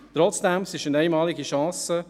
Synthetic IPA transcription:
t̪ɾɔt͡sd̥ɛmsɪʃənɛɪmɑːliɡəʃɑ̃ːsə

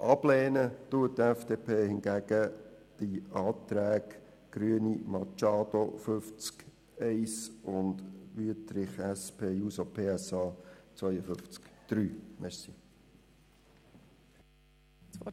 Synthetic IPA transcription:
ʔɑb̥lɛːnət̪uət̚təɛfd̥eːpʰeːhɪnɡæɡ̥əd̥iɑːt̪ɾæːɡ | ɡ̥ɾyənimɑt͡ʃɑːd̪oføft͡sk | ɛɪsʊndʋytɾɪχɛspʰeːjuːsopʰeːɛsɑːt͡sʋœjəfʏft͡skd̥ɾyːmɛɾsḭ | t͡sɔ

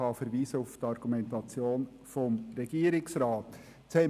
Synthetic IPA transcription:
ɑfəɾʋiːsəʊftɑɾɡ̥umɛntɑt͡sjoːn | fɔmɾɛɡ̥iːəɾɪksɾɑːt̪ | t͡sɛ

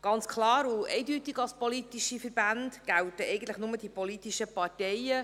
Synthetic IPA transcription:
ɡ̥ɑnt͡skʰlɑːɾʊɛ̰ɪdytiɡɑlspɔlit̪iʃifəɾbændɡ̥æltəʔɛɪɡən̩tləχnʊmədipɔlitiʃəpɑrtɛjə

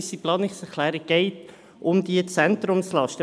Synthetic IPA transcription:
siplɑːnɪksɛʁkʰlɛːɾiɡ̥ɛɪt | ʔʊmd̪iət͡sɛntrʊmslɑʃtə

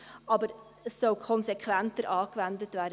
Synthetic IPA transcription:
ɑbəɾ | əsːɔlkʰɔnsekʰʋæntəɾʔɑːkvændətvæːɾ

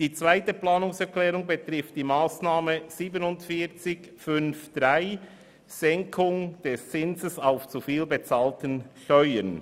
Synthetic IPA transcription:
d̥iːt͡sv̥aɪtəplaːnʊŋsɛklɛːʁʊŋbətʁɪft̚d̥iːmaːsnaːməz̥iːbənʊntfiːt͡sɪç | fʏnfd̥ʁaɪ | z̥ɛŋkʰʊŋd̥ɛst͡sɪnzəsaʊft͡sufiːlbət͡saːltənʃtœʏən

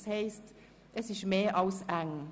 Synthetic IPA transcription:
sheɪst | əsɪʃmeːʔɑlsæŋ

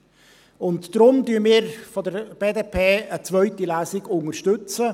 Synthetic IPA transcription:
ʊntd̥ɾʊmdyːmiːɾfɔdəɾb̥eːdeːpʰeːət͡svœʏtilæːsɪɡʊŋəɾʃtʏt͡sə

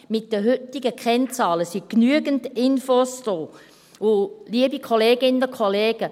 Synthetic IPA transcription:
mɪt̚d̥əɦʏtɪɡəkʰɛnt͡sɑːləsiknyəɡəntɪnfosd̥oː | ʊliəbikʰoleːɡɪnəʊkʰoleːɡ̥ə

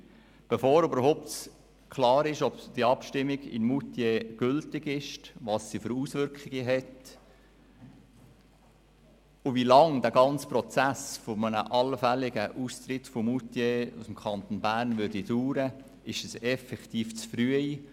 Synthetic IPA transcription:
b̥efoːɾøbəɾhɔʊp̚t | kʰlɑːɾɪʃɔbd̥iɑpʃtɪmːɪɡɪ̰nmutjeɡ̥ʏltɪɡɪʃtʋɑːsːiføɾuːsʋʏɾkχɪɡ̥əɦɛt | ʊʋilɑŋdæːɡɑnt͡spɾɔt͡sæsfɔmənə̰ʔɑlfælɪɡəʔustɾɪtfɔmutjeṵsmkʰɑnt̪onbæːɾnʋʏɾdiduːɾə | ɪʃəsɛfɛktiːft͡sfɾyəi

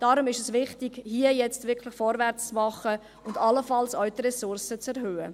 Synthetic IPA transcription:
d̥ɑːɾʊmɪʃɛsʋɪχtɪɡhiəjɛt͡stv̥ɪɾkʰlɪxfɔɾvɛɾt͡st͡smɑχə | ʊndɑləfɑlsœɥtɾɛsʊɾsət͡sɛɾɦøːə

